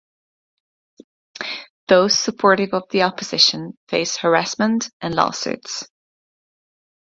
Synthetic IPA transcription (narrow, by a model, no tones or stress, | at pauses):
ðoʊz̥səpʰɔɹɾɪvəvðiɒpəz̥ɪʃə̃nfeɪshəɹasmə̃ntʔə̃nlɔ̰sʉ̰ts